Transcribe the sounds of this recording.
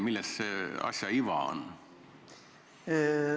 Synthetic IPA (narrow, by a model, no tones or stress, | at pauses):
milːesseɑ̰sʲjɑiʋɑ̰o̰n